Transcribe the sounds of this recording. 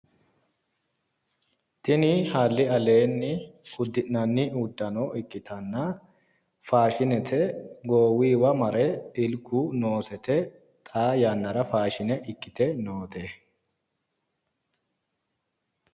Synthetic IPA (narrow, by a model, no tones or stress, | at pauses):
t̪ɪnɪhaːlːɪɐleːnːɪhʊd̪ːɪʔnɐnːɪʊd̪ːɐnoʔɪkʼːɪt̪ɐnːɐ | faːʃɪnɛt̪ʰɛɡoːwiːwɐmɐɾɛɪlkːuːnoːsɛt̪ɛ | t̪ʼaːjanːɐɾɐfaːʃɪnɛʔɪkːɪt̪ɛnoːt̪ɛ